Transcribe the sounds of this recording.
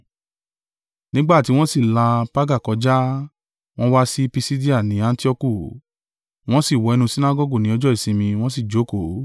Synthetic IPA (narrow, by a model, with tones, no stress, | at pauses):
nĩ˦ɡ͡ba˦˨ti˨˦w̃ɔ̃˦si˦˨la˧pa˦ɡa˦˨kɔ˧d͡ʒa˦ | w̃ɔ̃˦wa˦si˦pi˧si˦di˦a˦˨nĩ˨˦ã˦n˦ti˦ɔ˦ku˦˨ | w̃ɔ̃˦si˦˨wɔ˨˧ɛ˧nũ˧si˦na˦ɡɔ˦ɡu˦˨nĩ˨˦ɔ˧d͡ʒɔ˦i˦˨sĩ˧mĩ˧w̃ɔ̃˦s̬i˦˨d͡ʒo˨˦ko˨